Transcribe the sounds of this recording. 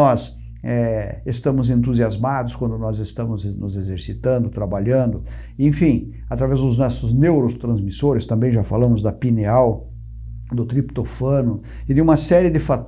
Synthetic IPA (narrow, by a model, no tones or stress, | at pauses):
ɔs | ɛest̪ɐ̃mʊzẽnt̪uziazmad̪ʊskwɐ̃nd̪ʊnɔzest̪ɐ̃mʊznʊzezeɾsit̪ɐ̃nd̪ʊt̪ɾabaʎɐ̃nd̪ʊ | ẽfĩ | at̪ɾavɛzd̪ʊznɔsʊznewɾot̪ɾɐ̃zmisoɾɪst̪ɐ̃mbẽj̃ʒafalɐ̃mʊzd̪ɐpineaw | d̪ʊt̪ɾipt̪ofɐ̃nʊ | ɪd̪ɪũmɐsɛɾiɪd̪ɪfat̪